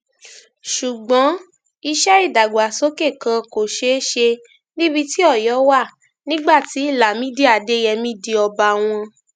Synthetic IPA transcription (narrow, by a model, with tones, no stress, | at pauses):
ʃu˨ɡ͡bɔ̃˨˦ | i˧ʃɛ˦i˦˨da˨ɡ͡bo˨a˨so˨˦ke˦˨kã˧ko˨ʃe˧˦ʃe˧ | nĩ˦bi˧ti˦ɔ˦˨jɔ˨˦wa˦˨ | nĩ˦ɡ͡ba˦˨ti˨˦i˦˨la˨mĩ˦di˦a˨de˦jɛ˧mĩ˦di˧ɔ˧ba˧w̃ɔ̃˧